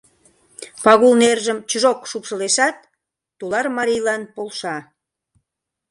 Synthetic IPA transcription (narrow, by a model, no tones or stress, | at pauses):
pɑɣulnerʒəmt͡ɕəʒokʃupʃəleʃɑt̪̚ː | ulɑrmɑɾijlɑnpolʃɑ